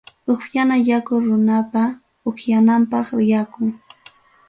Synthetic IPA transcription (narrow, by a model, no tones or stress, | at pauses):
ʊχjanajakʊɾʊnapa | ʊχjanampɑχɪjakʊŋ